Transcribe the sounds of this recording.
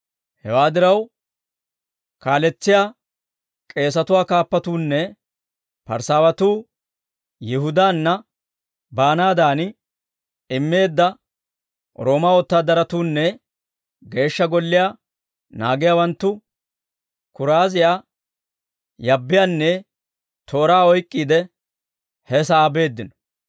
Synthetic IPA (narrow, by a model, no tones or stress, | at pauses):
hɛwaːd̪ɪɾɐw | kaːlɛt͡sːɪjaː | kʼe̞ːs̬ɐt̪ʊwaːkaːpːɐt̪uːnːɛ | pɐ̰ɾsaːwɐt̪uː | jɪɦʊd̪aːnːɐ | baːnaːd̪aːn | ɪmːe̞ːd̪ːɐ | ɾo̞ːmɐɔt̪ːaːd̪ɐɾɐt̪uːnːɛ | ɡe̞ːʃːɐɡɔlːɪjaː | naːɡɪjaːwɐnt̪ːʊ | kʊɾaːzɪjaː | jɐbːɪjaːnːɛ | t̪ʰo̞ːɾaːɔjkʼːiːd̪ɛ | hɛsaːbe̞ːd̪ːɪnɔ̥